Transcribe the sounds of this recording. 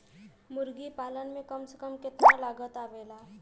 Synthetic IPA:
mʊɾɡipaːlənmẽkəmsə̥kəmkɪt̪nalaːɡət̪aːʋeːlaː

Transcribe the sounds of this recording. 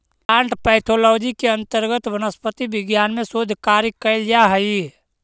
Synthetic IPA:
ãːɳʈpəɪt̪ʰolɔːd͡ʒikeə̃nt̪əɾɡət̪ʋənəspət̪ibɪɡjaːnmẽsod̪ʱkaɾjkəɪld͡ʒaɦəi

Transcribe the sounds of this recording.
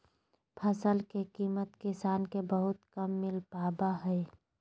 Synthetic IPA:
pʰəsəlkekiːmət̪kɪsaːnkebəɦʊt̪kəmːɪlpaːbaɦɛː

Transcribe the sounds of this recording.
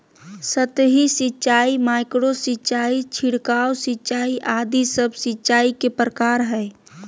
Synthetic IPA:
sət̪ɦisɪtːt͡ʃaːimaːɪkɽosɪtːt͡ʃaːit͡ʃʰiɽkaːositːt͡ʃaːiʔaːd̪isəbsɪtːʃaːikepɾəkaːɾɦɛː

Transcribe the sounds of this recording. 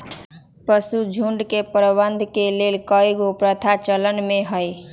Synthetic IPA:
pəsud͡ʒʱuɳɖkepɾəbənd̪ʱkelelkʌjɡopɾət̪ʰat͡ʃələnmeɦəj

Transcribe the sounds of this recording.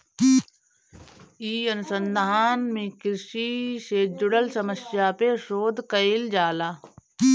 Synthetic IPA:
iːɐnʊsənd̪aaːnmẽkɪɾʃiʃeːd͡ʒʊɽəlsɐməsjaːpeʃoːd̪kəild͡ʒaːlaː

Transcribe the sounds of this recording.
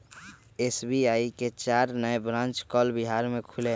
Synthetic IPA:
esbiaiket͡ʃaːɾnəjbɾãːnt͡ʃkɔːlbiɦaːɾmẽkʰʊle

